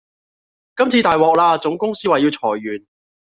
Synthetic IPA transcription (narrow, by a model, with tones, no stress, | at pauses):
kɐ˥mt͡sʰiː˧t̪aː˨jwɔː˨k̚laː˧t͡sʊ˨˥ŋkʊ˥ŋsiː˥waː˨˩ji˧wt͡sʰɔː˨˩jːyː˨˩n